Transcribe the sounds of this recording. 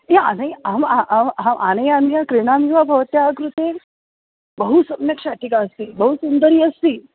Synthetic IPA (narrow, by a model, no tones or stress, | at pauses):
jaa̰nəjamaʔamamʔanɐjanjakɾiɽ̃amiʋabʱɐʋt̪jaɡɾut̪e | bəɦusəbnɐkʂaʈikaəst̪iːbəɦusund̪əɾiːɐst̪iː